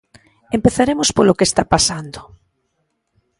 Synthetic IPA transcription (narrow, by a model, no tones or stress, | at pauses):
empeθaɾemʊspolokest̪apasand̪ʊ